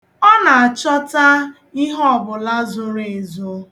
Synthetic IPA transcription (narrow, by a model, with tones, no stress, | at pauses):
ɔ˦na˨a˨t͡ʃɔ˦ta˦ | i˦ɦɔ˦˨bʊ˨la˦zʊ˨ɾe˨e˨zo˦